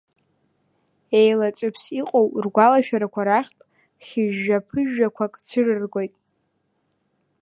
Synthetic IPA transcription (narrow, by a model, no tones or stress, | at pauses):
e̞jlat͡sʼɨpʰsiqʼowrɡʷalaʃᶣaɾakʷʰaɾaχʲpʼ | χʲɪʒːapʰɨʒᶣakʷʰakʼt͡sʰɨrɨrɡʷo̞jtʼ